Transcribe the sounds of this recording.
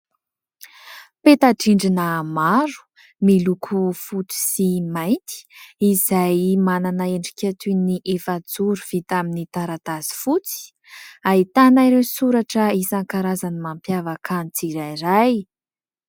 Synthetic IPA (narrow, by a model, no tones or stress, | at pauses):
pet̪aʈ͡ʂiɳɖ͡ʐinəmaɾu̥ | milukʰufut͡si̥simajnt̪i̥izajmananaeɳɖ͡ʐi̥kʲat̪uniʔefad͡zuɾuv̥it̪aminit̪aɾat̪azi̥fut͡si̥ | ait̪anajɾewsuɾaʈ͡ʂəisaŋkaɾazanimampjavəkʰant͡siɾajraj